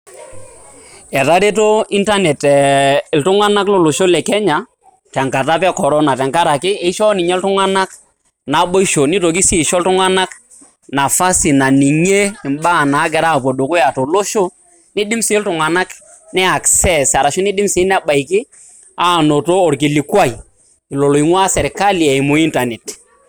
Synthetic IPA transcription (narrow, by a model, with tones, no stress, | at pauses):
ɛ˨ɾa˦ɾe˦t̬o˦i˦nta˦nɛ˨tɛ˨ltʊ˦ŋa˦na˦klo˨lo˨ʃo˦lɛ˨kɛ˦ɲa˨ | tɛ˨ŋka˨ta˦pɛ˦kɔ˨ɾɔ˦na˨tɛ˨ŋka˦ɾa˨kɪ˦e˨˦ʃɔ˦nɪ˨ɲɛ˦ltʊ˦ŋa˦na˦k | na˨˦ɓo˦i˦ʃo˨ni˦to˨k̬i˦si˦˨ʃɔ˦ltʊ˦ŋa˦na˦k | na˨fa˦si˨na˨ni˨ŋe˦ɪ˨mba˦˨na˨˦k̬ɛ˨ɾa˦˨p̬o˨do˨kʊ˦ja˨to˨lo˦ʃo˦ | ni˦dɪ˦msi˨˦ltʊ˨ŋa˨na˦k | nɛ˦a˨ksɛ˦sa˨ɾa˨ʃʊ˦ni˦dɪ˦msi˨˦n˦a˦ɓa˨i˨kɪ˦ | a˦˨no˨to˦o˨ɾk̬i˨li˨kwa˦i˨ | i˨lo˨lo˨i˨ŋwa˦sɛ˨ɾka˦li˨e˨i˨mʊ˦i˦nta˨nɛ˨t